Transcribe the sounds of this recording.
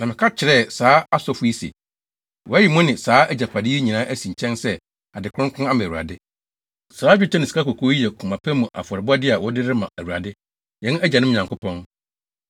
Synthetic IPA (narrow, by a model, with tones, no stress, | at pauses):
nã˨mɪ̃˨kʰa˦t͡ɕʰɪ˨ɾɛ˦˨saː˦a˦sɔ˦fʊ˦i˦sḛ˨ | wɔ˨˦æ˦ji˨mʊ̃˦nɪ̃˨saː˨˦ʔæ˦˨d͡ʑa˨pʰa˨dɪ˦e˦ɲĩ˨nãː˦ʔæ˦sĩ˨ɲ˨t͡ɕʰɛ̃˦nsɛ˦ | a˨dɪ˨kʰʊ̃˦ŋ˦kʰʊ̃˦a˦mã˨u˨a̰˨dɪ˦ | saː˨˦d͡ʑᶣɪ˦t͡ɕʰɛ˦nɪ̃˨si̥˨ka˦ko˨kʰo˦i˦jɛ˨kʰũ˨mã˨pʰæ˦mũ˨ʔa̰˨fɔ˨ɾɪ˨bʊ˦a˦dɪ˦a˨wɔ˦dɪ˦ɾɪ˦mã˨æ˨wu˨ɾa̰˨dɪ˦ | jɛ̃˦n˦æ˦d͡ʑa˨nɪ̃˦m˦˨ɲã˨ŋkʊ˦pʰɔ̃˦n